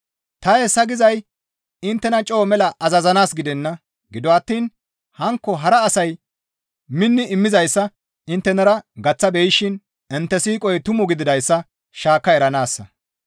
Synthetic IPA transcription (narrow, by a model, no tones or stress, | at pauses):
t̪ɐesːɐɡɪzɐj | ɪnt̪ːɛnɐt͡ʃʼo̞ːmɛlɐʔɐzɐzɐnaːsɡɪd̪ɛnːɐ | ɡɪd̪ɔɐt̪ːiːn | hɐŋkːɔɦɐɾɐːsɐj | mɪnːɪɪmːɪzɐjsːɐ | ɪnt̪ːɛnɐɾɐɡɐt͡sːɐbɛjɪʃɪn | ɛnt̪ːɛsiːkʼɔjt̪ʊmɔɡɪd̪ɪd̪ɐjsːɐ | ʃaːkːɐɛɾɐnaːsːɐ